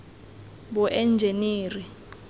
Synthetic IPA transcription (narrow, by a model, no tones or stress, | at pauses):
buʔɛnd͡ʒʱeniːri